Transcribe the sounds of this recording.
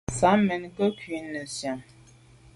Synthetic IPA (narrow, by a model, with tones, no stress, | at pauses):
sa˨˦mɛ˨nkə˦kɥi˨˦nə˨sja˨